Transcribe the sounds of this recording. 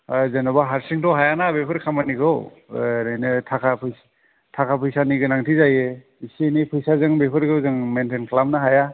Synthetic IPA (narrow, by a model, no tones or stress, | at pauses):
zenabaɦaɾsiŋtɔɦajanabepʰɯɾkʰamanikʰɯw | najnɯtʰakʰapʰɯj | tʰakʰapʰɯjsaniɡɯnaŋtʰizaje | isenipʰɯjsazɯŋbepʰɯɾɡɯwzɯŋmentenkʰlamnaɦaja